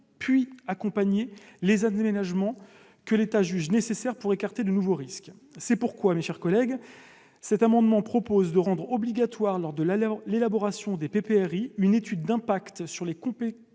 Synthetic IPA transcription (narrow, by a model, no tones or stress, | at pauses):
pɥiakɔ̃paɲelezamenaʒmɑ̃ | kəlet̪aʒyʒnesesɛʁpuʁekaʁt̪ed̪ənuvoʁisk | sɛpuʁkwameʃɛʁkɔlɛɡ | sɛt̪amɑ̃d̪mɑ̃pχɔpozd̪əʁɑ̃d̪ʁɔbliɡat̪waʁlɔʁd̪əllelabɔʁasjɔ̃d̪epepeɛʁiynet̪yd̪ːɛ̃pakt̪syʁlekɔ̃pe